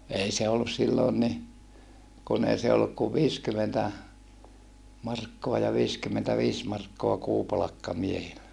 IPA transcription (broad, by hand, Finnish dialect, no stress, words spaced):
ei se olːus silːoːn ni kun ei se olːuk kuʋ ʋiːskymentæ mɑrkːoɑ jɑ ʋiːskymːentæʋiːs mɑrkːoɑ kuːpɑlɑkːɑ miehilːæ